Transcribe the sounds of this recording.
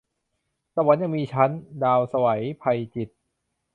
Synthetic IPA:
sa˧wa˩˦nja˨˩ŋmiː˧t͡ɕʰa˦˥ndaː˧wsa˧wa˩˦jpʰa˧jt͡ɕi˨˩t̪̚

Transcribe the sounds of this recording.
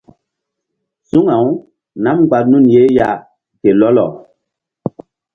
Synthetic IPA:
su˦ŋa˨w | na˦m˨ka˨t̚nu˦˨nje˨˦ja˨ | ke˨lɔ˦lɔ̰˨

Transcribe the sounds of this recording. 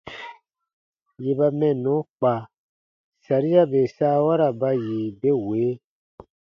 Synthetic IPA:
je˨ba˧mɛ̃˨nɔ̃˨˦k͡pa˨ | sa˨ɾi˦a˦be˨saː˦wa˦ɾa˨ba˧ji˨be˦weː˨˦

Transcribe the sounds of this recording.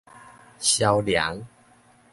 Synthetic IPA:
ɕja˧wlja̰˨˦ŋ

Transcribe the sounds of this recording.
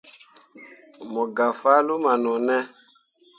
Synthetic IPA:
mɔ˨ɡa˨fa˦lu˦ma˨nɔ˨nɛ˦

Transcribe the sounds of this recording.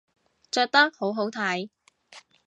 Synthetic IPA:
t͡ʃœː˧k̚t̪ɐ˥k̚ho˨˥wɦo˨˥wt̪ʰaː˧j

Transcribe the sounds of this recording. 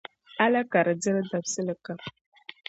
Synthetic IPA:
a˦la˦ka˨ɾə˨d͡zə˦ɾda˨bsə˦lə˨ka˨

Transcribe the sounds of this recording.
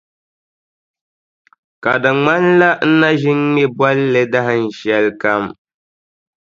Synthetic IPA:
ka˨dɨ˨ŋ͡ma˦n˦la˦n̩˦na˦ʒɪ˦ŋː˦ɛ˦ba˦lːɨ˦da˦ɦɨ˨n̩˨ʃɛ˦lka˦m

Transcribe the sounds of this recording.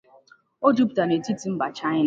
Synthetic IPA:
o˦d͡ʒu˦pta˨ne˨ti˦ti˨m̩˦ba˨t͡ʃa˦ɲɪ˦n˦

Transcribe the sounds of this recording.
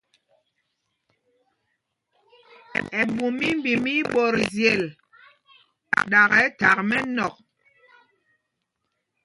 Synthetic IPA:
ɛ˨bu˨mi˦m˦bi˨mi˦ɓo˨ɾzjɛ˨l | ɗa˨ɣɛ˨˦ta˨k̚mɛ˦nɔ˨k̚

